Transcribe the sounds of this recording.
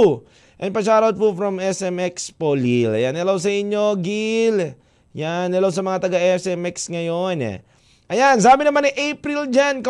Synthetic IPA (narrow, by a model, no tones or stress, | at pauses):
ʔɛn̚pɐʃ̬aːɾot̪̚pofɾɐmɛsɛmɛkspolilɐ̰janɐlaws̬ɐɪɲːo̞ɡil | janːɐlaws̬ɐmɐŋat̪ɐɡaʔɛsɛmɛksŋɐjonɛ̰ | ʔɐjansaːbɪnɐmaniʔejpɾild͡ʒankɐ